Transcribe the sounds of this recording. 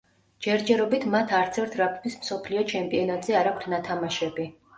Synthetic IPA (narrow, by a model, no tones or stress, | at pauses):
d͡ʒɛɾd͡ʒɛɾɔbit̪ʰmat̪ʰaɾt̪sʰɛɾt̪ʰɾapʰmismsɔpʰliɔt͡ʃʰɛmpʼiɔnat̪ʼzɛaɾak̚ʷʰt̪ʰnat̪ʰamaʃɛbi